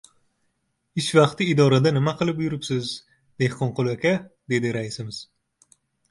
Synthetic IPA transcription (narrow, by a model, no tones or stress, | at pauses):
it͡ʃvɑqt̪ɨːd̪ɒːɾad̪anɪmaqʰɨlˠɪpjyɾɪpsɪz | d̪̥ehqʰoɴqolˠakʲad̪ed̪ɪɾaisɪmɪz̥